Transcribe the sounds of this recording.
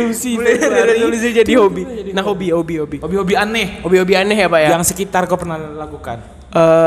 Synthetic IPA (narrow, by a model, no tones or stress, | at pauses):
silaulis̬id͡ʒadihobinahɦobihobiɦobihobiɦobianɛhhobiɦobianɛɦjapaʔjajaŋsəkit̪arkopərnahlakuka̰n | ʔə